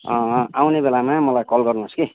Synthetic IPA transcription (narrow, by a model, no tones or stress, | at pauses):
awnebelamamʌlajkʌlɡʌrnuski